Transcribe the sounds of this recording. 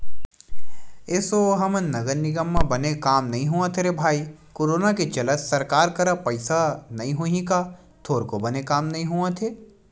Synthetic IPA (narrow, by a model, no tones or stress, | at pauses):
eːsoɦɐmənnɐɡəɾnɪɡəmːãbɐnekaːmnɐɦĩɦuãt̪ʰeɾebʱaːikoːɾoːnaket͡ʃɐlət̪sɐɾkaːɾkɐɾapɐɪsanɐɦĩɦuɦĩka | t̪ʰoːɾkobɐnekaːmnɐɦĩɦuãt̪ʰeː